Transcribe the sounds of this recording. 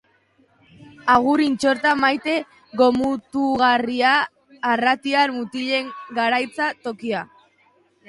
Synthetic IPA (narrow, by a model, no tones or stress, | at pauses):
aɣ̞uɾint͡ʃo̞ɾt̪amajt̪e̞ | ɣo̞mut̪uɣariaː | rat̪iaɾmut̪iʎe̞ŋɡaɾajt͡sat̪o̞kia